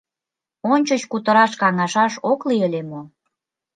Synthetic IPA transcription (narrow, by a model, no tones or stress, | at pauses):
onʲt͡ɕət͡ɕkut̪əɾɑʃkɑŋɑʃɑʃokliəlʲemo